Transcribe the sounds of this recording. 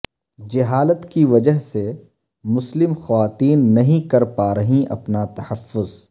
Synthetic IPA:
d͡ʒɪɦaːlət̪kiʋɐd͡ʒəɦse | mʊslɪmxɐʋaːt̪iːnːɐɦĩkɐɾpaːɾɐɦĩʔɐ̰pnat̪ɐhɐfːʊz

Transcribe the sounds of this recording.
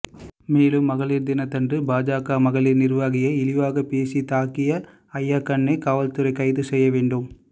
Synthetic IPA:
meːlɯmːɐɣɐɭiːɾd̪ɪnɐt̪ːɐndrɯbaːd͡ʒaːkaːmɐɣɐɭɪnɪɾʋaːɣɪjɐɪlɪʋaːɣɐpeːsit̪aːkɪjɐ | ɐjːaːkːɐɳːɐɪkaːʋɐlt̪ɯɾɐɪkɐɪðɯsɛjːɐʋeːɳɖɯm

